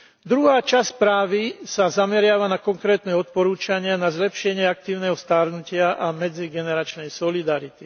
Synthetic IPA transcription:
d̪ɾuɦaːt͡ʃaspɾaːʋisazamɛɾɪaʋanakɔŋkɾɛːt̪nɛɔt̪̚pɔɾuːt͡ʃaɲɪanazlɛpʃɪɛɲɪɛak̚t̪iːʊnɛɦɔst̪aɾnucɪaʔamɛd͡ziɡɛnɛɾat͡ʃnɛjsɔlid̪aɾit̪i

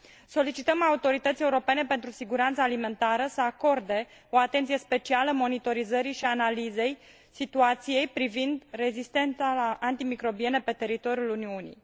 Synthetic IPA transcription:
so̞lit͡ʃit̪əmaut̪o̞ɾit̪ət̪sjeuɾo̞pe̞ne̞pe̞nt̪ɾusiɡuɾant̪saːlime̞nt̪aɾəsəako̞rd̪e̞o̞at̪e̞nt̪sije̞spe̞t͡ʃialəmo̞nit̪o̞ɾizəɾiʃianalize̞j | sit̪uat̪sije̞jpɾivind̪re̞zist̪e̞nt̪saaʔant̪imikɾo̞bie̞nepe̞t̪e̞ɾit̪o̞ɾjuluniunḭj

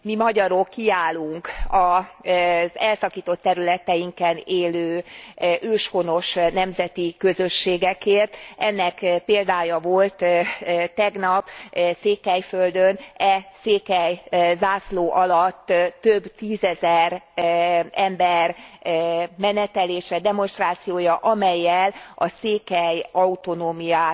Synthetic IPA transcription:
mimɒɟɒɾo̞kʰːiaːluŋkɒ | zɛlsɒkiːt̪o̞t̪ːɛɾylɛt̪ɛjiŋkɛneːløːʔøːʃho̞no̞ʃnɛmzɛt̪ikø̞zøʃːeːɡɛkeːrt̪ɛnːɛkpeːld̪aːjɒvo̞lt̪t̪ːɛɡnɒpseːkɛjføld̪ønɛseːkɛjzaːsloːʔɒlɒt̪ːt̪ːøbt̪iːzɛzɛr | ɛmbɛr | mɛnɛt̪ɛleːʃɛd̪ɛmo̞nʃt̪raːt̪sijoːjɒʔɒmɛjːɛlɒ̰seːkɛjɒut̪o̞noːmijaː

